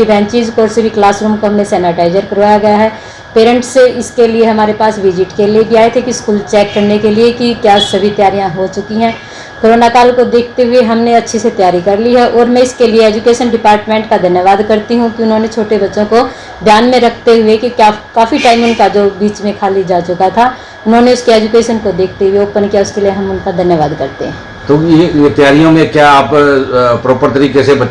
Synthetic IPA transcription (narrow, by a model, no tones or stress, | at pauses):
ibɛ̃ːɲt͡ʃid͡ʒkɔːɾsɪbʱiklaːsɾuːmkoɦɐmnẽsɛːnɪʈaːɪzəɾkɐɾʋaːjaɡɐjaɦɛː | peːɾə̃ɳʈseɪskelieɦɐmaːɾepaːsʋɪd͡ʒɪʈkelieɡiaːet̪ʰekiskuːlt͡ʃɛːkːɐɾnekeliekikjaːsɐbʱit̪jaːɾijãɦot͡ʃʊkiɦɛ̃ː | koːɾoːnakaːlkod̪eːk̚ʰt̪eɦʊeɦɐmneɐtːʃʰiset̪jaːɾikɐɾliɦɛʔɔːɾmɛ̃ɪskelieɛːd͡ʒukeːʃənɖɪpaːɾʈmẽːɳʈkad̪ʱɐnjəʋaːd̪kɐɾt̪iɦũkiʊnɦõːnet͡ʃʰoːʈebɐtːʃõko | d̪ʱjaːnmẽɾɐkʰt̪eɦʊekikaːkaːfiʈaːɪmʊnkad͡ʒoːbiːt͡ʃmẽkʰaːlid͡ʒaːt͡ʃʊkat̪ʰaː | ʊnɦõːneʊskeɛːd͡ʒukeːʃənkod̪eːk̚ʰt̪eɦʊeoːpənkijaʊskelieɦɐmʊnkad̪ʱɐnjəʋaːd̪kɐɾt̪eɦɛ̰̃ː | t̪oːjejet̪jaːɾijõmẽkjaːppɾoːpəɾt̪ɐɾiːkesebɐ